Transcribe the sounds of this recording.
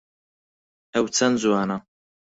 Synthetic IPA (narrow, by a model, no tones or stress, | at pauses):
ɐwt͡sʰɐnd͡zuwaːnɐ